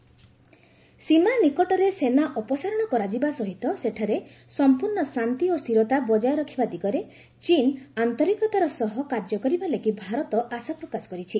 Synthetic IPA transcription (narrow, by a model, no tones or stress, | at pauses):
simanikɔʈɔɾesenaʔɔpɔsaɾɔɽ̃ɔkɔɾad͡ʒibasɔɦit̪ɔseʈʰaɾe | sɔmpuɾɳɔsant̪iost̪ʰiɾɔt̪abɔd͡ʒajɔɾɔkʰibad̪iɡɔɾe | t͡ʃinant̪ɔɾikɔt̪aɾɔsɔɦɔkaɾd͡ʒɔkɔɾibaleɡibʱaɾɔt̪ɔʔasapɾɔkasɔ̥kɔɾit͡ʃʰi